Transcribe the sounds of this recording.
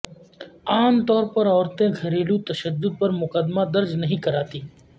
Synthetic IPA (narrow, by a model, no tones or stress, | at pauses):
aːmt̪ɔːɾpɐɾɔːɾt̪ẽɡʱɐɾeːlũt̪ɐʃəd̪ːʊd̪̚pɐɾmʊkəd̪mad̪ɐɾd͡ʒnəɦĩːkɐɾaːt̪iː